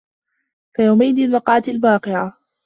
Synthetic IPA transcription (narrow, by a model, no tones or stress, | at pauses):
fajawmajd̪ilmɑqɑʕat̪albɑːqɪʕa